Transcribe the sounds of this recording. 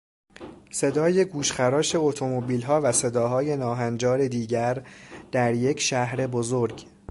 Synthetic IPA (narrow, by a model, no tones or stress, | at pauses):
se̞d̪ɒːje̞ɡuːʃxæɾɒːʃe̞ot̪ʰo̞mo̞biːlɦɒːvæse̞d̪ɒːɦɒːje̞nɒːɦænd͡ʒɒːɾe̞d̪iːɟæɾd̪̥æɾje̞cʰʃæhɾe̞bozoɾɟ